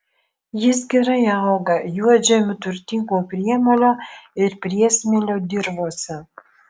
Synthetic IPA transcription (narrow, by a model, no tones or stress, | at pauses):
jɪs̬ɡʲɛɾɐjɑlɡɐjuɔd͡ʒʲɛmʲʊt̪ʊɾʲt̪ʲɪŋɡoːpʲɾʲiɛmoːlʲoːɪɾpʲɾʲiɛsʲmʲelʲoːd̪ʲɪɾboːsʲɪ